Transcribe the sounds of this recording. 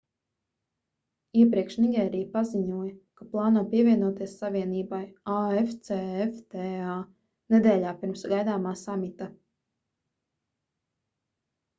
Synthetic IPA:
iɛpɾiɛkʃniɡʲɛːɾijpaziɲuɔjɐkaplˠɑːnuɔpiɛvʲiɛnuɔt̪iɛsːaviɛniːbajaeft̪seeft̪ɛa | nɛd̪ɛːʎaːpiɾmsɡajd̪aːmaːsamit̪a

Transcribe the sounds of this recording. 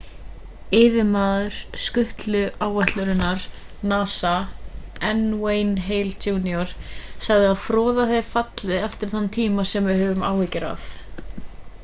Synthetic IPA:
ɪːvɪmaːðʏɾ̥skʏht̪lʏʔaːwɛht̪lʏɾɪnːaɾ | naːsa | ɛnwejnɦeːjluːniɔɾ̥saɣðɪaðfɾɔːðaθejfat̪lɪɛft̪ɪɾ̥θant̪ʰiːmasɛmvɪðhœːvʏma̰ːwhicɪɾa̰f

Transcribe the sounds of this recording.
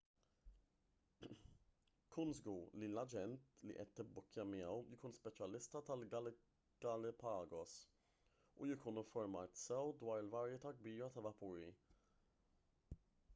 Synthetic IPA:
kʰunzɡulilɐd͡ʒɛnt̪lḭʔɛt̪ːɪbːʊkːjɐmɪjɛwjɪkuːnspɛt͡ʃɐlɪst̪ɐt̪ɐlɡɐl | ɡ̥ɐlɪpɐːɡɔs | ujɪkuːnɪɱfɔɾmɐːt̪sɛwd̪wɐːɾɪlvɐɾjɛt̪ɐɡbiːɾɐt̪ɐvɐpuːɾḭ

